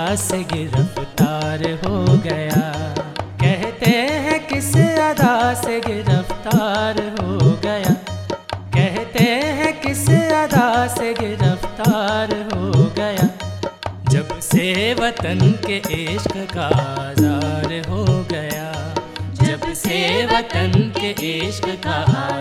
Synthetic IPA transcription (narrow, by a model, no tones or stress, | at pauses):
seɡɪɾəft̪aːɾɦoɡɐja | kɛɦt̪eɦɛ̃kɪsjaːd̪aseɡɪɾəft̪aːɾɦoɡɐjaː | kɛɦt̪eɦɛ̃kɪsaːd̪aːseɡɪɾəft̪aːɾɦoɡɐjaː | d͡ʒɐbseʋɐt̪ənkeʔeːʃkkaazaːɾɦoɡɐja | d͡ʒɐbseʋɐt̪ənkeʔeʃkka